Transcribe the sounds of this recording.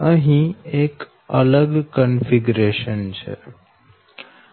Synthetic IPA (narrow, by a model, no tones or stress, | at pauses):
ə̃ɦĩeːk | ələɡkənfiɡɾeːʃənt͡ʃʰḛ